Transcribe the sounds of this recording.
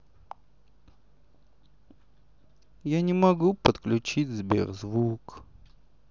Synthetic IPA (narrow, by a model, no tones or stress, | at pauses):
janʲɪmɐɡupət̪klʲʉt͡ɕit͡sʲzbʲḛrzvuk